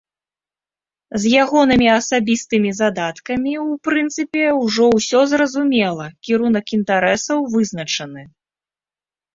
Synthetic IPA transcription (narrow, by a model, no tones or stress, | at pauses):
zʲjaɣɔnɨmʲiɐsabʲist̪ɨmʲizad̪at̪kɐmʲiwpɾɨnt̪sɨpʲɛwʐɔwsʲɔzrɐzumʲɛlˠɐkʲiɾunɐkint̪aɾɛsɐwvɨznɐt͡ʂɐnɨ